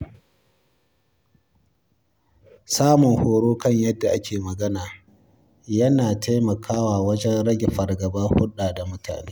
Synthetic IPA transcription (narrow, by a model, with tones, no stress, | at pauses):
saː˦mʊ˨ŋhoː˨ɽoː˦kɐ˦˨ɲjɐ˦dːa˨ʔa˦kʲeː˨mɐ˨ɡɐ˦naː˨ | jɐ˦naː˨ta˦jmɐ˨kʰaː˦waː˨wɐ˦d͡ʒɛ˦nɽɐ˦ɡʲɪ˨ɸɐ˨rɡɐ˨bɐ˦hʊ˦ɗaː˨da˨mʊ˦tʰa̰ː˨neː˦